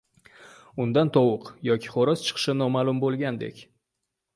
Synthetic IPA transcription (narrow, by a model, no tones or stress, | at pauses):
ʊnd̪ant̪ʰɒwʊqjɒkʲʰɪ̥χoɾɒst͡ʃʰɨ̥qʰʃɪnɒmaːlˠʊmbolˠɡʲand̪e̞̰kʲ